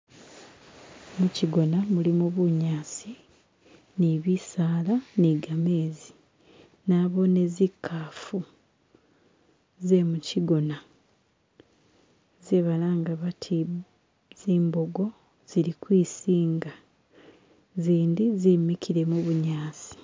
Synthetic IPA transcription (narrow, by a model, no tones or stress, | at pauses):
muciɡo̞namulimuβuɲaːsi | niβisaːlaniɡameːzi | naβo̞ne̞zikʰːaːfu | zemuciɡo̞na | ziβalaːŋɡaβatʰi | ziːmbo̞ɡo̞ | z̥iɾikwiːsiːŋɡa | ziːndizimikʰiɾe̞muβuɲaːsi̥